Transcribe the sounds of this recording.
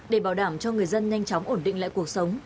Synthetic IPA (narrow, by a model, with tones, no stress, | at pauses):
ɗe˧˩ɓaː˧˩wɗaː˧˩mt͡ɕɔ˧ŋɨ˨˩əjzə˧nɲa˧jŋ̟t͡ɕɔ˨˦wŋ͡mʔo˧˩nɗḭ˧˨ŋ̟la̰ː˧˨ku˨˩ək̚sə˨˦wŋ͡m